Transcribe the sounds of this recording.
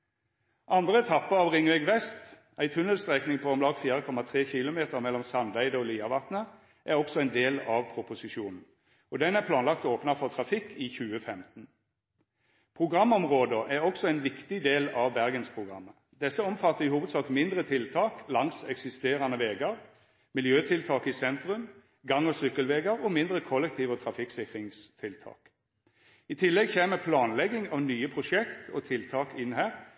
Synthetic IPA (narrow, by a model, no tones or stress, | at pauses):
ʔɑnd̪ʁəɛt̪ʰɑpːəɑʋʁɪŋːʋɛɡʋɛst̪ | æɪt̪ʰʉnəlst̪ʁɛknɪŋpʰɔɔmlɑːɡfiːʁəkʰɔmɑt̪ʰʁeːçɪlʊmeːt̪əʁmɛlːɔmsɑnd̪æɪd̪əɔːliːɑʋɑt̪nə | ʔæʁɔksɔæɪnd̪eːlɑʋpʰʁʊpʊsɪʃuːnn̩ | ɔd̪ɛnæʁpʰlɑːnlɑkt̪oːpnɑfɔʁt̪ʰʁɑfɪkʰːiːçʉːəfɛmt̪n̩ | pʰʁʊɡʁɑmːɔmʁoːd̪əʔæʁɔksɔæɪnʋɪkt̪ɪd̪eːlɑʋbæʁɡənspʰʁʊɡʁɑ̰mːə | d̪ɛsːəɔmfɑt̪ːəɪhuːʋəd̪sɑːkmɪnd̪ʁət̪ʰɪlt̪ʰɑːklɑŋsɛksɪst̪eːʁɑnəʋeːɡɑʁ | mɪljøːt̪ʰɪlt̪ʰɑːkɪsɛnt̪ʁʉm | ɡɑŋːɔsʏkːəlʋeːɡəʁɔmɪnd̪ʁəkʰɔlːɛk̚t̪ʰiːʋət̪ʰʁɑfɪksɪkʁɪŋst̪ʰɪlt̪ʰɑ̰ːk | ɪt̪ʰɪlːɛɡçeːməpʰlɑːnlɛɡɪŋɑʋnyːəpʰʁʊʃɛkt̪ʰɔt̪ʰɪlt̪ʰɑːkɪnhæːʁ